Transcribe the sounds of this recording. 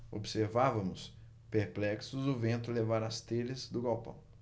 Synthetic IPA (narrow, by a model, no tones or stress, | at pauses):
o̰bseɾvavɐ̃mʊs | peɾplɛksʊzʊvẽnt̪ʊlevaɾɐst̪elɪzd̪ʊɡawpɐ̰̃w̃